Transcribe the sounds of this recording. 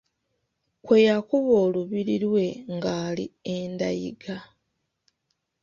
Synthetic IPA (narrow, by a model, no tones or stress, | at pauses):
kwe̞jakuβo̞ːluβiɾiɾwe̞ŋɡaːlḭenda̰jḭɡa